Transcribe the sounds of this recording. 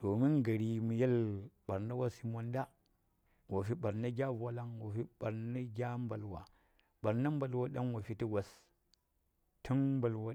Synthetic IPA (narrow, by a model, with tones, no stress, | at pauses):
to˨mi˦nɡa˨ɾi˨mu˨je˦lɓa˨ɾna˦wa˦si˦mo˦nda˦ | wo˨fi˦ɓa˨ɾna˦ɡʲa˦va˦la˦ŋwa˨fi˦ɓa˨ɾna˦ɡʲa˦mba˨lwa̰˨ | ɓa˨ɾna˦m˦ba˨lwa˦ɗa˦ŋwa˨fi˦ti˦wa˨s | tʰi˦nmba˨lwa˦